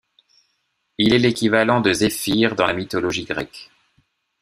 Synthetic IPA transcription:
ilɛlekʲivalɑ̃d̪əzefiʁd̪ɑ̃lamit̪ɔlɔʒiɡʁɛ̰k

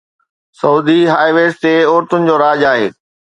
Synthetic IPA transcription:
sɐuːd̪iɦaːɪʋeːst̪eoːɾt̪ʊnɪ̆d͡ʑoːɾaːd͡ʑaːɦḛː

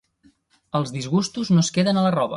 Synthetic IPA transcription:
əlˠzðizɣust̪uznoskeðənələrɔβ̞ə̰

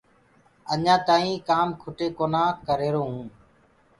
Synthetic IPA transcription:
əɲãːt̪aːĩːkaːmkʰʊʈeːkoːnãːkəɾeːɾoːɦũː

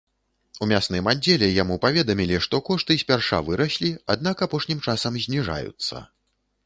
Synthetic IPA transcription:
umʲasnɨjmad͡zʲːɛlʲɛjamupavʲɛd̪ɐmʲilʲiʂt̪ɔkɔʂt̪ɨsʲpʲarʂa̰vɨɾɐɕʲlʲiad̪̚nakapɔʂnʲimt͡ʂasɐmzʲnʲiʐa̰jṵt̪sːɐ̰

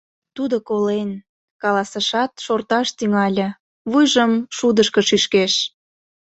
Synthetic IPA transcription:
t̪ud̪okolen | kɑlɑsəʃɑt̪ʃort̪ɑʃt̪yŋɑlʲə̆ | βujʒəmʃud̪əʃkə̆ʃyʃkeʃ

